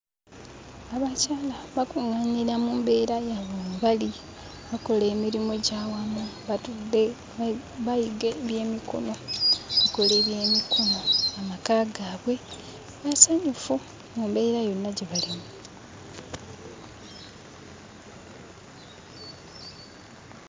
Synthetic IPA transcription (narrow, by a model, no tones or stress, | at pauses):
aβacaːlaβakuŋaɲiɾamuːmbe̞ːɾajaβoβali | βako̞le̞ːmiɾimoɟaːwamuβatude | βajiɡeβje̞ːmiko̞̰no̞βako̞leβje̞ːmikʰono̞amakaːɡaːβwe̞ | βasaɲufu | mumbe̞ːɾajo̞nːaɟe̞βalimu